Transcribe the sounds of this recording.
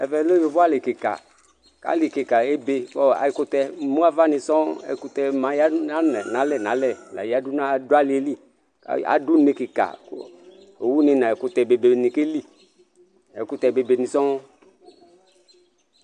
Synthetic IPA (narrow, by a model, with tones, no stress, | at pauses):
ɛ˨vɛ˨˦lo˦jo˨vɔ˦a˦le˨ke˨ka̰˨ | ka̰˨˦li˨ke˨ka˨e˦be˨kɔ˦a̰˨ji˨˦kʊ˦t̪ɛ˧˦mũ˦a˦va˦ni˧sɔ˦ɛ̰˨ku˦t̪ɛ˧mã˨˦ja˦a˦nɛ˨nã˨˦lɛ˦˨nã˨˦lɛ˦˨la̰˨ja˦du˦na˦˨do˦a˦li˨e˦li˦ | ka̰˦a̰˨du˦ne˧ke˨ka̰˨˦ | o˨wu˦ni˨na˨ɛ˨kʊ˦t̪ɛ˨be˨be˨ni˨ke˦li˦˨ | ɛ˨ku˦t̪ɛ˧be˨be˨nĩ˨sɔ˦